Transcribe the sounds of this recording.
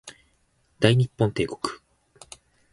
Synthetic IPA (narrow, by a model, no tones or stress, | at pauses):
d̪̥aiɲ̟ipːõnt̪e̞ːko̞̥kɯ̥